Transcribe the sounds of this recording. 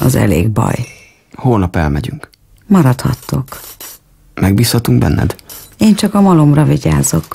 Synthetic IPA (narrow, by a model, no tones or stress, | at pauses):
ɒzɛ̰leːɡbɒ̰j | hoːlnɒpɛlmɛɟyŋk | mɒɾɒt̪hɒ̰t̪ːo̞k | mɛɡ̚biːshɒt̪uŋɡbɛnːʔɛ̰d̪eːnt͡ʃɒkɒmɒlomrɒviɟaːzo̞k